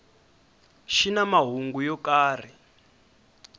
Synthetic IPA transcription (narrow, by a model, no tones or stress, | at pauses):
ʃinamaɦuŋɡujɔkaːr̤i